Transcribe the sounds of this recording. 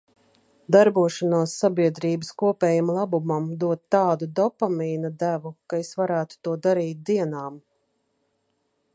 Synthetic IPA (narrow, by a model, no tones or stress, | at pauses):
d̪aɾbuɔʃanaːsːabiɛd̪ɾiːbəskuɔpɛːjamlˠabumamd̪uɔt̪ːɑːd̪ud̪ɔpamiːnɐd̪ævukaesvaɾæːt̪u̥t̪uɔd̪aɾiːt̪̚d̪iɛnaːm